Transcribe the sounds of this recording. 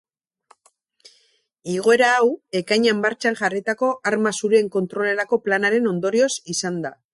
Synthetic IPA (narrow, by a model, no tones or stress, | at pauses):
iɣ̞o̞e̞ɾaːwe̞kajɲambaɾt͡ʃaŋʝarit̪ako̞aɾmasuɾeeŋko̞nt̪ɾo̞le̞ɾako̞planaɾe̞no̞nd̪o̞ɾio̞sisand̪a